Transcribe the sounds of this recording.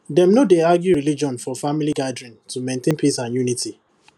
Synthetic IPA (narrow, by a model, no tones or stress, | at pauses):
dɛ̃mnodeaɡjuɹilid͡ʒɔ̃nfɔfamiliɡadɹĩntumẽntẽnpʰisãnjuniti